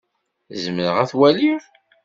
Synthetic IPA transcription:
zməɾəʁæθwæliɾ

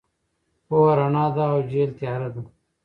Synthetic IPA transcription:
poːɐɾɐnaːd̪aːwd͡ʑeːlt̪jaːɾɐd̪u

